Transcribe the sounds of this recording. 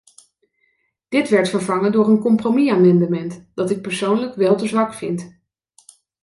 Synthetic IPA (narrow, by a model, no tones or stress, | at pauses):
d̥ɪtʋɛɹtfəɹvɑŋəndʊːɹənkɔmpromiaːmɛndəmɛntd̥ɑtɪk̚pəɹsownləkʋɛlˠtəzʋɑkfɪnt